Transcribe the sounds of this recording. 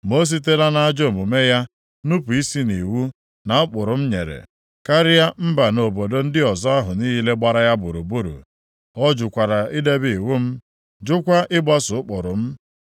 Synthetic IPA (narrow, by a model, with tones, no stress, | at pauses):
mo˦s̬i˦t̬e˦la˦na˦a˦d͡ʒo˦˨mu˨me˦ja˦ | nu˦pu˨i˦si˦ni˨wu˦ | na˨ʊ˦k͡pʊ˨ɾʊ˨m̩˦ɲḛ˨ɾḛ˨ | ka˦ɾɪ˦ja˦m̩˦ba˨no˨bo˨do˦n̩˦dɪ˦ɔ˨zɔ˦a˦ɦʊ˨ni˦ɦi˦le˦ɡ͡ba˨ɾa˦ja˦bʊ˨ɾu˨bu˦ɾṵ˨ | ɔ˦d͡ʒʊ˨kʷa˨ɾa˨i˦de˦bi˨wu˦m̩˦ | d͡ʒʊ˦kʷa˦ʔɪ˦ɡ͡ba˦sʊ˨ʊ˦k͡pʊ˨ɾʊ˨m̩˦